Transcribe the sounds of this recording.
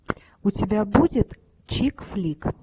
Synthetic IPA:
ʊt͡sʲɪbʲabudʲɪt̪ | t͡ɕikflʲik

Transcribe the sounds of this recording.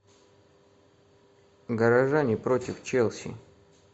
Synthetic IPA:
ɡəɾaʐanʲɪpɾot̪ʲɪft͡ʃɛlˠsʲḭ

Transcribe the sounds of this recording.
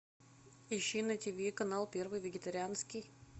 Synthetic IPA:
ɪɕːinətʲivʲikɐnalˠpʲervɨjvʲɪɡʲɪt̪ɐɾʲɪanskʲɪj

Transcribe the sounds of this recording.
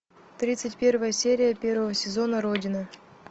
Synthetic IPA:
t̪ɾʲit̪sɨtʲpʲe̞rvəjəsʲeɾʲɪjəpʲe̞rvəvəsʲɪzo̞nəɾodʲɪnɨ

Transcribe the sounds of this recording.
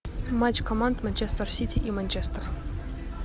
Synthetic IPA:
mat͡ɕkʰomand̪manʲt͡ɕest̪ərsʲitʲiʔimanʲt͡ɕest̪ər

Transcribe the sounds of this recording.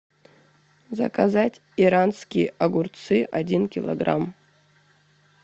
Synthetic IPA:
zɐ̰kazatʲ | iɾanskʲijʔaɡurt̪sɨʔadʲinkʲɪlˠɐ̰ɡra̰m

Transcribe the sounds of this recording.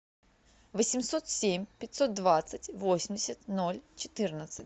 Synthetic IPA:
vəsʲɪmsot̪sʲemʲpʲɪtʲso̞t̪̚d̪vat̪sɨtʲvosʲɪmʲdʲɪsʲət̪no̞lʲt͡ɕɪ̥t̪ɨrnət̪sɨtʲ

